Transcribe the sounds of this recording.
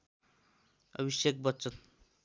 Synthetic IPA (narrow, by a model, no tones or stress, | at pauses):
ʌ̰bisjek̚bʌtːt͡sʌn